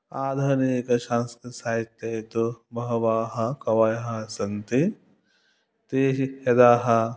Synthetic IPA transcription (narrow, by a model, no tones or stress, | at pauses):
aːd̪ʱɐnikɐʃãːnskɐsaːɦit̪ːɐt̪ubʱɐɦɐʋaːɦɐkɐʋaːjɦɐsɐnt̪i | t̪eːɦjɐd̪aːɦɐ